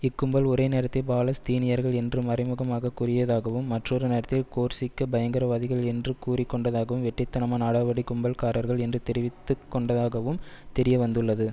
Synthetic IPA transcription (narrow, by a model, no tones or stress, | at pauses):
ɪkːɯmbɐlɔɾɐɪneːɾɐt̪ːɪlbaːlɐst̪iːnɪjɐɾɣɐɭɛndrɯmɐɾɐɪmɯɣɐmaːɣɐkʊrɪjɐðaːɣɐʋɯmːɐʈrɔɾɯneːɾɐt̪ːɪlkoːɾsɪkːɐbɐjɐŋɡɐɾɐʋaːðɪɣɐɭɛndrɯkuːrɪkːɔɳɖɐðaːɣɐʋɯmʋɛʈːɐɪt̪ːɐnɐmaːnaːɽɐʋɐɽɪkʊmbɐlkaːɾɐɾɣɐɭɛndrɯt̪ɛɾɪʋɪt̪ːɯkːɔɳɖɐðaːɣɐʋɯmt̪ɛɾɪjɐʋɐnd̪ɯɭːɐðɯ